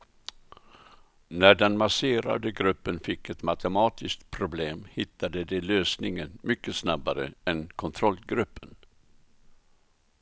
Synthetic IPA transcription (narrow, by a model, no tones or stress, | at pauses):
næɖɛnmaseːɾa̰d̪əɡɾɵpːənfɪkːɛt̪mat̪ʰəmɑːt̪ʰɪskt̪̚pʰɾʊbleːmhɪt̪ʰːad̪əd̪ɛløːsnɪŋənmʏkːəsnabaɾə̰ɛnkʰɔnt̪ʰɾɔlɡɾɵpːən